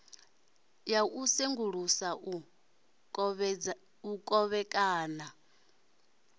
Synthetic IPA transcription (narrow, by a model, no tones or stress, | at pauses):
jaʔuseŋɡuɺ̤usa | ukʼɔβɛkʼaːna